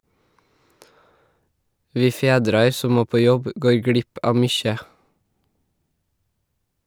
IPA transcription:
ˈʋiː ˈfeːdɾɑɾ ˈsɔ ˈmoː ˈpoː ˈjɔb ə ˈɡoːɹ ˈɡɽɪp ˈɑːʋ ˈmʏçə

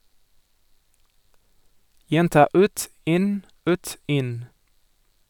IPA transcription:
ˈjɛntɑː ˈʉːt ˈɪn ˈʉːt ˈɪn

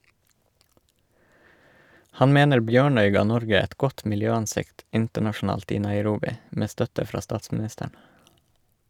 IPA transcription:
ˈhɑn ˈmeːnəɾ ˈbjøːɳœʏ ˈɡɑː ˈnɔɾɡə ˈɛt ˈɡɔt mɪlˈjøːɑnˌsɪkt ˈɪntəɳɑʃn̩ˌɑːlt ˈiː nɑɪˈɾuːbɪ ˈmeː ˈstœtə ˈfɾɑː ˈstɑːtsmɪˌnɪstəɳ

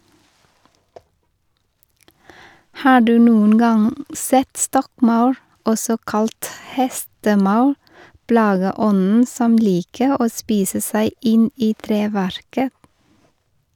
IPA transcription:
ˈhɑː ˈɖʉː ˈnuːən ˈɡɑŋ ˈsɛt ˈstɔkˌmɑʉɾ ˈɔsɔ ˈkɑlt ˈhɛstəˌmɑʉ ˈplɑːɡəˌɔnn̩ ˈsɔm ˈliːkə ˈoː ˈspiːsə ˈsæɪ ˈɪn ˈiː ˈtɾeːʋæɾkə

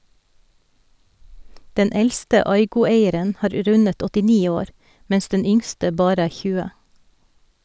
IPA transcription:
ˈdɛn ˈɛlstə ˈɑɪɡʊˌeɪəɾən ˈhɑːɾ ˈɾʉnət ɔtɪˈniː ˈoːɾ ˈmɛns ˈdɛn ˈʏŋstə ˈbɑːɾ ˈæː ˈçʉːə

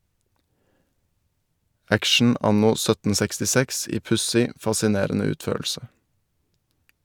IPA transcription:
ˈækʃɳ̩ ˈɑnʊ ˈsœtən sɛkstɪˈsɛks ˈiː ˈpʉsɪ fɑsɪˈneːɾnə ˈʉːtˌføːɭʃə

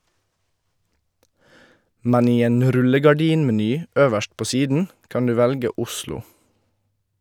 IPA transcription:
ˈmɛn ˈiː ˈeːn ˈɾʉləɡɑˌɖiːnmɛˌnyː ˈøːʋəʃt ˈpoː ˈsiːdn̩ ˈkɑn ˈdʉː ˈʋɛlɡə ˈʊslʊ

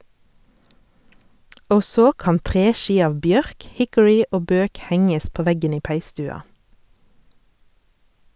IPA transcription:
ˈoː ˈsoː ˈkɑːn ˈtʁeːˌʃiː ˈɑːʋ ˈbjœʁk ˈhɪkʊɹɪ ˈoː ˈbøːk ˈhɛŋəs ˈpoː ˈʋɛɡən ˈiː ˈpæɪˌstʉːɑ

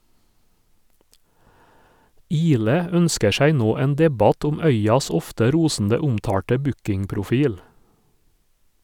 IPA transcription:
ˈiːlɛ ˈœnskə ˈʃæɪ ˈnoː ˈeːn ˈdɛbɑt ˈʊm ˈœʏɑs ˈɔftə ˈɾuːsn̩də ˈʊmtɑːʈə ˈbʉkɪŋpɾʊˌfiːl

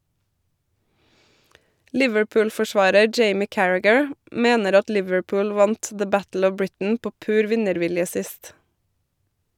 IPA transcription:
ˈlɪʋəɹˌpʉːlfɔˌʃʋɑːɾə ˈd͡ʒeɪmɪ ˈkæɹæɡəɹ ˈmeːnəɾ ˈɑt ˈlɪʋəɹˌpʊːl ˈʋɑnt ðə ˈbætl̩ ˈɔʋ ˈbɹɪtn̩ ˈpoː ˈpʉːɾ ˈʋɪnəɾˌʋɪljə ˈsɪst

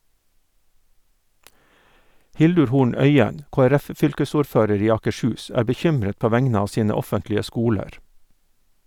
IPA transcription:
ˈhɪldʉɹ ˈhuːɳ ˈœʏən ˌkoːəˈɾæfˌfʏlkəsuːɾˌføːɾəɾ ˈiː ɑːkəˈʃʉːs ˈæːɾ bəˈçʏmɾət ˈpoː ˈʋæŋnə ˈɑː ˈsiːnə ˈɔfəntlɪə ˈskuːləɾ

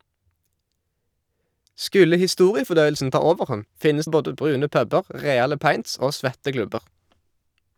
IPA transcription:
ˈskʉlə hɪˈstuːʁɪəfɔˌdœʏəlsn̩ ˈtɑː ˈoːʋəʁˌhɔn ˈfɪnəs ˈboːdə ˈbʁʉːnə ˈpœbəʁ ˈʁeːɑlə ˈpɑɪnts ˈoː ˈsʋɛtə ˈklʉbəʁ

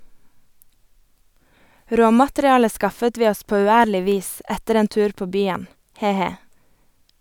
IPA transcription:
ˈɾoːmɑtɾɪˌɑːlə ˈskɑfət ˈʋiː ˈɔs ˈpoː ʉːˈæːɾlɪ ˈʋiːs ˈɛtəɾ ˈeːn ˈtʉːɾ ˈpoː ˈbyːən ˈheː ˈheː

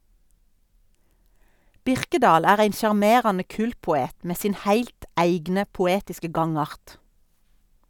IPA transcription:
ˈbɪʁkədɑːl ˈæːʁ ˈæɪn ʃɑʁˈmeːʁɑnə ˈkʉːltpʊˌeːt ˈmeː ˈsiːn ˈhæɪlt ˈæɪɡnə pʊˈeːtɪskə ˈɡɑŋˌɑʁt

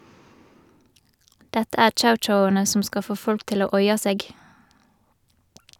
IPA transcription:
ˈdɛtə ˈæːʁ ˈt͡ʃaʊˌt͡ʃaʊɑnə ˈsɔm ˈskɑl ˈfoː ˈfɔlk ˈtɪl ˈoː ˈɔʏɑ ˈseːɡ

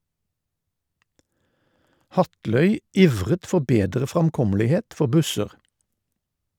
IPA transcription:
ˈhɑtlœʏ ˈiːʋʁət ˈfɔʁ ˈbeːdʁə ˌfʁɑmˈkɔməlɪheːt ˈfɔʁ ˈbʉsəʁ

